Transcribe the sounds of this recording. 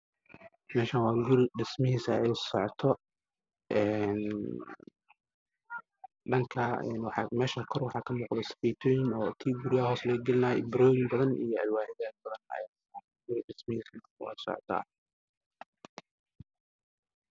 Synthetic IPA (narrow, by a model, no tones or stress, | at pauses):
mɛːʃaːnwɑːɡʊɾɪɖɪsmɐɦiːsɐɛjsɔʕɔt̪ʰɔ | ʔɛːn | ɖɐŋkʰɐɛ̰nwɑħɑmɛːʃakʰɔrwħɑːkʰɐmɔːqðɐsɐ̥fiːt̪ʰɔːjɪnɔːt̪ʰiːɡʊɾɪaɦɔːslɛɡɐlɪnaːɛ̰bɪɾɔːjɪmbɐðɐnʔḭjɞɐ̰lwaːħɪðaːd̪̚bɐðɐnɐ̰ | ɡ̥ʊɾɪɖɪsmɐhiːs | wɛ̰jsɔ̰ʕɔ̰t̪ʰɔ̰